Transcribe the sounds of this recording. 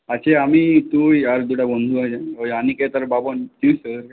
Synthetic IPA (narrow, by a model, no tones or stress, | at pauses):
at͡ɕʰeamit̪ujaɾd̪uɽabond̪ʱuad͡ʑãoaniket̪aɾbabont̪isəɾ